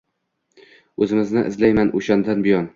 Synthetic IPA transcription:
ɵzɪmɪznɪʔɪzlajmanʔoʃand̪anbɪjɒn

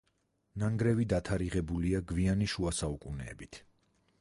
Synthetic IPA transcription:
naŋɡɾɛvid̪at̪ʰaɾiʁɛbuliaɡvianiʃuasaukʼunɛ̰ːbit̪ʰ

